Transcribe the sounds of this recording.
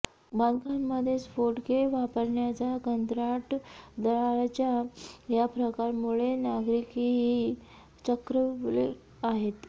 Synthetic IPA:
bankʰanməd̪ʱjesfoɾʈkeʋapəɾɳjat͡sakənt̪ɾaʈd̪əɭaɭt͡ɕjajapɾəkaɾmuɭenaɡɾikiɦi | t͡ɕəkɾəʋlḛ | aɦet̪

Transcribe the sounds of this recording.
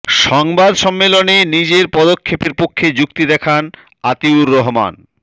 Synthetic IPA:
ʃɔŋbad̪ʃɔmːelonenid͡ʑeɾpɔd̪okʰːepeɾpokʰːed͡ʑukt̪id̪ɛkʰan | at̪iuɾːɔɦma̰n

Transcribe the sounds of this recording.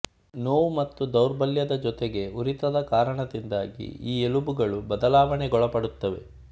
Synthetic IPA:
noːʋumɐt̪ːud̪ɐwɾbɐljɐd̪ɐd͡ʒɔt̪eɡe̞uɾit̪ɐd̪ɐkaːɾɐɳɐd̪ind̪aːɡḭiːelubuɡɐɭubɐd̪ɐlaːʋɐɳeɡɔɭɐpɐɽut̪ːɐʋe̞̰

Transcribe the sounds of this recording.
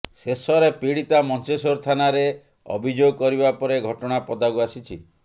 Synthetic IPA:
sesɔɾepiɽit̪amɔnt͡ʃesoɾt̪ʰanaɾe | ɔ̰bʱid͡ʒoɡɔkɔɾibapɔɾeɡʱɔʈɔɽ̃apɔd̪aɡuasit͡ʃʰi

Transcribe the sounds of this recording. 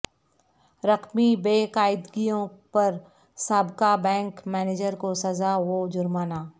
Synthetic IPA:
ɾɐqmibeːkaːɪd̪ɡijõpɐɾ | saːbkabɛ̃ːŋkmɛːneːd͡ʒəɾkosɐzaʋoːd͡ʒʊɾmaːnaː

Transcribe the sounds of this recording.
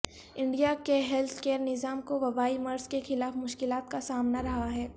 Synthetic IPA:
ɪ̃ɳɖijakeɦɛlt̪ʰkeːəɾnɪzaːmkoʋɐbaːimɐɾzkexɪlaːfmʊʃkɪlaːt̪kasaːmnaɾɐɦaɦɛː

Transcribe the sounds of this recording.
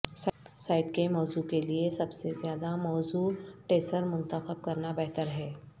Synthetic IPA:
ssaːɪʈkemɔːzukeliesɐbsezjaːd̪amɔːzuʈeːsəɾmʊ̃nt̪əxəb̚kɐɾnabɛɦt̪əɾɦɛː

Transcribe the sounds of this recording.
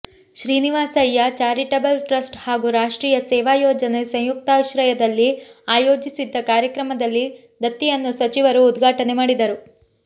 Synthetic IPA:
ʃɾiːniʋaːsɐjːɐt͡ʃaːɾiʈɐbɐlʈɾɐsʈhaːɡuɾaːʂʈɾiːjɐsɛːʋaːjɔːd͡ʒɐnesɐ̃ŋ̃juk̚t̪aːʋʃɾɐjɐd̪ɐlːiaːjo̞ːd͡ʒisid̪ːɐkaːɾjɐkɾɐmɐd̪ɐlːi | d̪ɐt̪ːijɐnːusɐt͡ʃiʋɐɾuːd̪ɡʱaːʈɐne̞maːɽid̪ɐɾu

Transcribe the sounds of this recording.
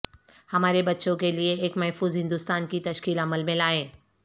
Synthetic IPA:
hɐmaːɾebɐtːʃõkelieeːkmɛɦfuːzɦɪ̃nd̪ʊst̪aːnkit̪ɐʃkiːləməlmẽlaːẽː

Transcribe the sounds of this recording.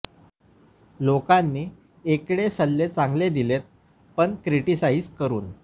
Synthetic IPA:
lokanːiː | ekɽesəlːet͡sãŋɡled̪ilet̪̚ | pəɳkɾiʈisaid͡zkəɾuːn

